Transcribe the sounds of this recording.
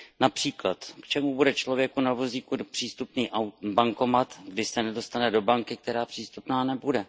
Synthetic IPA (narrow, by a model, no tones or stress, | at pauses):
napr̥iːklat̪kt͡ʃɛmubudɛt͡ʃlo̞vjɛkunavo̞ziːkupr̝̥iːst̪upniːʔawbaŋko̞mat̪ɡdɪsɛnɛdo̞st̪anɛdo̞baŋkɪk̚t̪ɛɾaːpr̥iːst̪upnaːnɛbudɛ